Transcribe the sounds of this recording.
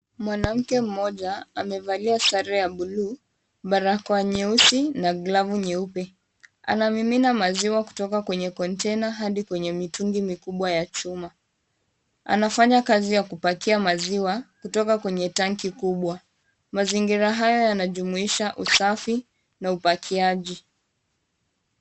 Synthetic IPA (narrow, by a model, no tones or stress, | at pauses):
mwanam̩kɛm̩mɔʄaamɛvaliasaɾɛjaɓulu | ɓaɾakɔaɲɛusinaɡlavuɲɛupɛ | a̰namiminamaziwaku̥tɔkakwɛɲɛkɔntɛnaɦaɗikwɛɲɛmituŋɡimikuɓwajat͡ʃuma | a̰nafaɲakazijakupakiamaziwakutɔkakwɛɲɛtaŋkikuɓwa | maziŋɡiɾaɦajɔjanaʄumuiʃaʔusafi | naupakʰiaʄi